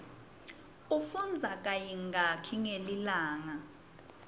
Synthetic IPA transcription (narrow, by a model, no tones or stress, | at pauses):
ufund͡zʱak̬ʼajiŋɡakʰiŋelilaːŋa